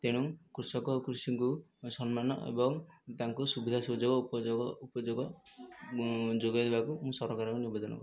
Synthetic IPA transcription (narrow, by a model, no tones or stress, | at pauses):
t̪eɽ̃uŋkɾusɔkɔkɾusiŋkusɔnmanɔ̰ḛbɔŋt̪aŋkusubid̪ʱasud͡ʒoɡɔpɔɡupɔd͡ʒoɡɔ | d͡ʒoɡajd̪ebakumũsɔɾɔkaɾɔkɔniubed̪ɔnɔ̰kɔɾi